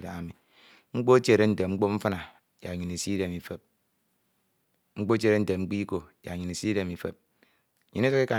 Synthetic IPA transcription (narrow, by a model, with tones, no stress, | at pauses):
da̰˨a˨mi˨ | ŋ͡m̩˦k͡po˦t͡ʃe˦˨ɾe˦n̩˦˨te˨ŋ͡m̩˦k͡po˦m̩˦fa˦na˨ | ja˨ɲi˨ne˨si˦de˨mi˨fe˨p̚ | ŋ͡m̩˦k͡po˦t͡ʃe˦˨ɾe˦n̩˨te˨ŋ͡m̩˦k͡pi˦ko˨ja̰˨ɲi˨ne˨si˦de˨mi˨fḛ˨p̚ | ɲi˨˦ne˦to˦ki˦ka˨